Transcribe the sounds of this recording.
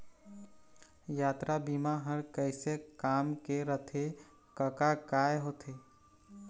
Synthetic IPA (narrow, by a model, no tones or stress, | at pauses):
jaːt̪ɾabimaɦəɾkəɪsekaːmkeɾət̪ʰe | kəkakaːjɦoːt̪ʰe